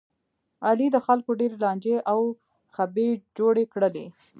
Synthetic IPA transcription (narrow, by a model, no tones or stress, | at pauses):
ɑlid̪əxalkoɖeɾelɑnd͡ʒeʔaw | xabed͡ʒoɽekɽəlḛ